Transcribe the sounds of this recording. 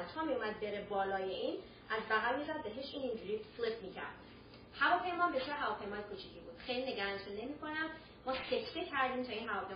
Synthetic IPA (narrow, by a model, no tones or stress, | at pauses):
lt̪ʰɒmiumæd̪̚be̞ɾebɒːlɒːjeʔiːn | ʔæzbæɣælmizæd̪̚beɦeʃiːnind͡ʒuɾiːflipmiːcʰæ̰ɾd̪̥ | hævɒːpʰe̞jmɒːmbet͡ʃʰɛɾɦævɒːpʰe̞jmɒːjekʰut͡ʃʰicʰibuːd̪̥xejline̞ɡæɾænt̪ʰune̞miːkʰo̞næm | mɒːseft̪ecʰæɾd̪iːmt̪ʰɒːinɦævɒːpʰe